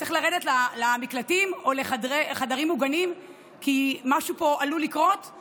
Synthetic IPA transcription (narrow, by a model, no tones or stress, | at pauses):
t͡seχlaʁedetlalamiklatimoleχadeχadaʁimuɡanim | kimaʃupo̞ʔalulikʁo̞t